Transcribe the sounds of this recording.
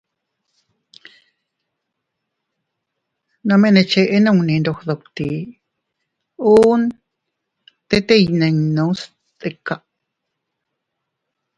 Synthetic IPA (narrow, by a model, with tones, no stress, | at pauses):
nã˧mẽ˦nẽ˧t͡ʃe˧ʔe˦nã˦˧ŋ˧nĩ˨˧nɾo˧xðo˨kt̪i˨ | uː˦n | t̪e˦t̪e˦jnẽ˨˧ŋnõ˧˦s | t̪e˧ka˧ʔ